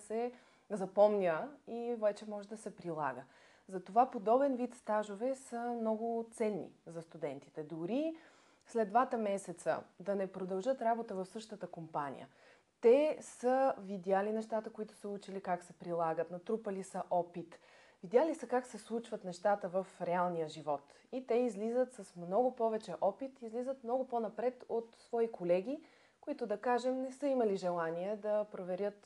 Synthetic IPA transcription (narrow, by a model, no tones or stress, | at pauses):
sɛ | zɐpɔmnʲəivɛt͡ʃɛmɔʒɛd̪ɐsɛpɾilˠa̰ɡə | zɐt̪ovapod̪ɔbɛnvit̪st̪aʒovɛsəmnɔɡʊt̪sɛnːḭzɐst̪ud̪ɛnt̪i̥t̪ɛd̪oɾi | slɛd̪d̪vat̪əmɛsɛt̪sə̰d̪ɐnɛpɾod̪ɐlˠʒɤt̪ɾabot̪əvɐfsɤʃt̪ət̪əkompanʲḭjə̰ | t̪ɛsəvid̪ʲalinɛʃt̪at̪əkoit̪ʊ̥səut͡ʃilikaksɛpɾilˠaɡət̪nɐt̪ɾupəlisəʔɔpit̪ | vid̪ʲjalisəkaksɛslˠut͡ʃvət̪nɛʃt̪at̪əvəfɾɛalˠnijəʒivɔt̪ | it̪ɛizlizət̪sɐsmnɔɡʊpɔvɛt͡ʃɛʔɔpit̪izlizət̪mnɔɡʊponɐpɾɛt̪ot̪svɔikʰolɛɡʲi | koit̪ʊd̪ɐkaʒɛmnɛsɤimɐliʒɛlˠaniɛd̪ɐpɾovɛɾʲjɤt̪